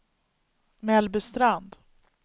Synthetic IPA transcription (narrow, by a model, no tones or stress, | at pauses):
mɛlbəst̪ɾand̪